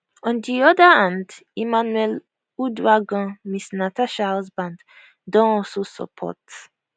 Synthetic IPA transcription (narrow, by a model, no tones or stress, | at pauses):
ɔ̃ndiɔdaãndimanuɛl | udwaɡɔ̃misnataʃaasbãnd | dɔ̃ɔlsosɔ̰pʰɔ̰t